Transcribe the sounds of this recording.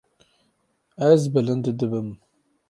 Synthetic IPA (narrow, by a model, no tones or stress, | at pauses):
æzbələnd̪əd̪əbəm